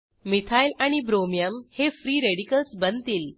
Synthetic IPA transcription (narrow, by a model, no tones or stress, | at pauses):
mit̪ʰajlaɽ̃ibɾomijəmhefɾiːɾeɽikəlsbənt̪iːl